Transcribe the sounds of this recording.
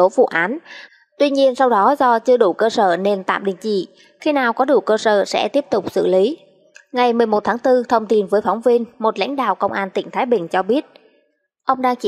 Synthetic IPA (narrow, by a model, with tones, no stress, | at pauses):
o˨˦vṵ˧˨ʔaː˨˦n | t̪wi˧ɲi˧ənsa˧wɗɔ˨˦zɔ˧t͡ɕɨ˧əɗu˧˩kəː˧səː˧˩ne˧nt̪a̰ː˧˨mɗḭ˧˨əŋt͡ɕḭ˧˨ | xi˧naː˨˩wkɔ˨˦ɗu˧˩kəː˧sə̰ː˧˩sɛ̰˧˥t̪i˦˥əp̚t̪ʊ˨˩k͡p̚sɨ̰˧˨li˨˦ | ŋa˨˩jmɨ˨˩əjmo˨˩t̚t̪ʰaː˨˦ŋt̪ɨ˧t̪ʰə˧wŋ͡mt̪i˧nvəː˨˦jfa˨˦wŋ͡mvi˧ənmo˨˩t̚la̰˧˥jŋ̟ɗa̰ː˧˨wkə˧wŋ͡mʔaː˧nt̪ï˧˩ŋt̪ʰaː˨˦jɓï˨˩ŋ̟t͡ɕɔ˧ɓi˦˥ət̚ | ʔə˧wŋ͡mɗaː˧ŋt͡ɕi˧